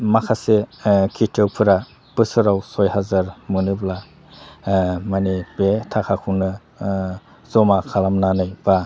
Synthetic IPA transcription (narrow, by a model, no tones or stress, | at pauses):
makʰasekʰitʰɯwpʰɯɾa | pɯsɯɾawsɔjɦazaɾmɯnɯbla | manibetʰakʰakʰunɯ | z̥ɔmakʰalamnanɯjba